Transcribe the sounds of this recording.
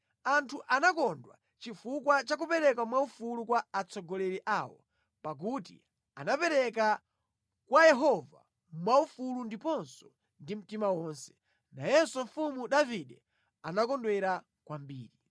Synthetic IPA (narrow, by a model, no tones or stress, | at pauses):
antʰuʔanakɔndwa̰ | t͡ʃifukwat͡ʃak̬upɛɾɛk̬wamwaufulukwaːt͡sʰɔɡɔlɛɾɛʔaːwɔ̰ | pak̬utḭ | anapɛɾɛka | kwajɛɦɔva̰ | mwaufulundipɔnsɔ̥ | ndim̩timawɔːnsɛ̥ | najɛsɔɱ̩fumuɗaviɗɛ | anakɔndwɛɾa | kwambiːɾi